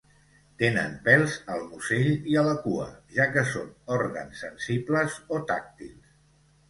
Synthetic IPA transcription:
t̪enə̰mpɛlˠzəlˠmuseʎiələkuə̰ʒakəsonɔɾɣə̰nsːənsibləzot̪a̰k̚t̪ḭlˠs

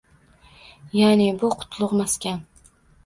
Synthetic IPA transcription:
janɪbʊqʰʊ̥t̪ʰlˠʊqmaskʲan

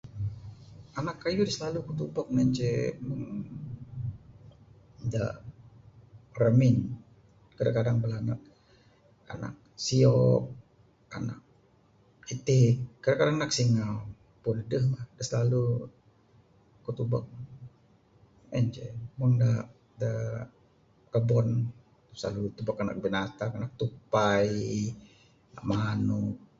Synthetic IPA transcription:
anakːajudəsəlalukut̪ubɔk̚nɛɲt͡ʃɛməŋŋ | da̰ʔ | rəmɪn | kədakadaŋbəlanak̚ | a̰na̰k̚siɔk̚ | a̰na̰k̚ | it̪ɪkːadaʔkadaŋnak̚siŋaw | pundəhmahdəslalu | kot̪ubak̚ | ɛɲd͡ʒɛmunda | da | rəbɔn | sla̰lut̪ubakana̰k̚binat̪akanak̚t̪upaj | naʔmanuk̚

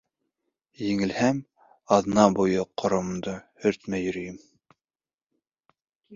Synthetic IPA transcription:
jɘ̆ŋɘ̆lhæm | ɑðnɑbujɤqʰŏɾŏmd̪ɤhɵɾt̪mæjɵ̆ɾɘ̆jɘm

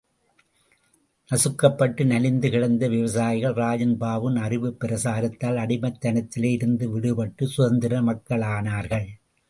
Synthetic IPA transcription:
nɐsɯkːɐpːɐʈːɯnɐlɪnd̪ɯkɪɽɐnd̪ɐʋɪʋɐsaːjɪɣɐɭraːd͡ʒɐnbaːʋɯnɐrɪʋɯpːɪɾɐsaːɾɐt̪ːaːlɐɽɪmɐt̪ːɐnɐt̪ːɪleːɪɾɯnd̪ɯʋɪɽɯpɐʈːɯsʊɣɐnd̪ɪɾɐmɐkːɐɭaːnaːɾɣɐɭ

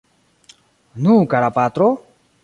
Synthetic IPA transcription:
nũkaɾapat̪ɾo

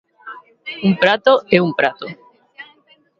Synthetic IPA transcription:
umpɾat̪oeumpɾat̪o

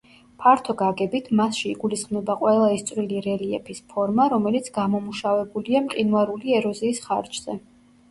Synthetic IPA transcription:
pʰaɾt̪ʰɔɡaɡɛbit̪ʰmasʃiiɡulisχmnɛbaqʼwɛlˠaist̪sʼwɾiliɾɛliɛpʰispʰɔɾmaɾɔmɛlit̪sʰɡamɔmuʃavɛbuliamkʼinwaɾuliɛɾɔziːsχa̰ɾt͡ʃʰʼz̥ɛ

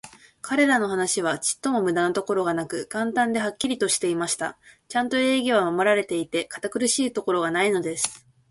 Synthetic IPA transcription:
kʰaɾe̞ɾano̞ɦanaɕiβ̞at͡ɕi̥t̪ːo̞mo̞mɯ̟d̪ano̞t̪o̞ko̞ɾo̞ɡanakɯ̟ɡãnt̪ãnd̪e̞ɦakʲːiɾʲit̪o̞ɕi̥t̪e̞imaɕi̥t̪a̰t͡ɕãnt̪o̞e̞ːɡʲiβamamo̞ɾaɾe̞t̪e̞it̪e̞kḁt̪akɯ̟ɾɯ̟ɕiːt̪o̞ko̞ɾo̞ɡanaino̞d̪e̞sɨ̥

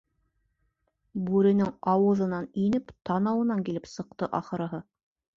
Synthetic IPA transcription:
bʉɾɘ̆nɘŋɑwɤ̆ðɤ̆nɑninɘpt̪ʰɑnɑwɤ̆nɑŋkilɘpsɤ̆q̚t̪ɤʔɑχɤ̆ɾɤ̆ɦɤ

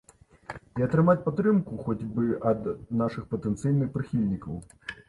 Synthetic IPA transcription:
iɐt̪ɾɨmat͡sʲpat̪ːɾɨmkuxɔd͡zʲbɨʔɐd̪naʂɨxpɐt̪ɛnt̪sɨjnɨxpɾɨxʲilʲnʲikɐw

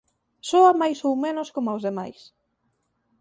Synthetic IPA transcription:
soamajsowmenoskomʊawzðema̰js

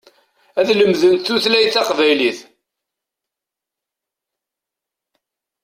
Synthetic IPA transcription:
æðləmðənt̪θuθlæjθɑqvæjliθ

